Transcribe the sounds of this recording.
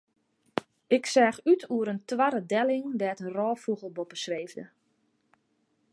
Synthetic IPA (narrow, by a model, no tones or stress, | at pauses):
ɪksaːxytʰuəɾəntʋaɾədɛlɪŋdɛːtənrɔːfuɣəlˠbopəsreːvdə